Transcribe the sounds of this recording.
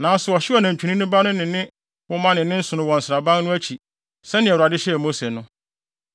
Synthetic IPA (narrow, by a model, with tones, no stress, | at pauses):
nãː˨˦sʊ˨ɔ˨ɕɪ˦ɔ˨nã˨ɲᶣ˨u˨nĩ˦nʊ̃˦ba˦nʊ̃˦nɪ̃˨nɪ̃˦ | wʊ˦mã˦nɪ̃˨nɪ̃˦n̩˦sʊ̃˨nʊ̃˦wɔ̃˨n̩˨sɪ˨ɾa˨bã˦nnʊ̃˦æ˦t͡ɕʰi˨ | sɛ̃˦nɪ̃˨ɛ˨u˨ɾa˨dɪ˦ɕɛ˦˨mo˦se˨nʊ̃˦